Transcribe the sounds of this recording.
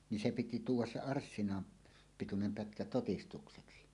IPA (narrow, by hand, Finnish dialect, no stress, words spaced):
ni se piti tuːwˑɑs se ɑrsːinɑ pitunem pætkæ totistukseksi